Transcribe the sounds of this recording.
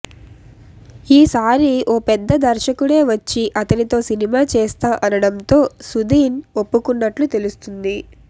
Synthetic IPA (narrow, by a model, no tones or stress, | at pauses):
iːsaːɾiʔoːpɛd̪ːɐd̪ɐɾʃɐkuɽe̞ːʋɐt͡ʃːiʔɐt̪ɐnit̪o̞ːsinimaːt͡ʃɛːst̪aːʔɐnɐɽɐmt̪o̞ːsud̪iːno̞pːukunːɐʈlut̪e̞lust̪und̪i